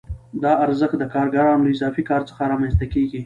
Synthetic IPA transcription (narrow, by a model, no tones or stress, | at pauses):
d̪ɑaɾzəxt̪̚d̪əkɑɾɡaɾɑmləɪzɑfikɑɾt͡sə̥xaɾɑmanst̪akeɡi